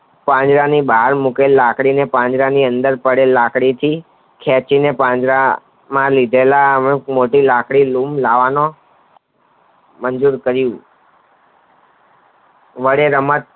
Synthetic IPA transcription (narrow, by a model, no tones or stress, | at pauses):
pãɲd͡ʒɾanibaɦəɾmukelːakɽinepãɲd͡ʒɾaniənd̪əɾpəɽelːakɽit̪ʰi | kʰɛt͡ʃinepãɲd͡ʒɾa | mãlid̪ʱelamemoʈilakɽilumlaʋano | mənd͡ʒuɾkəɾjũ | ʋəɽeɾəmət̪̚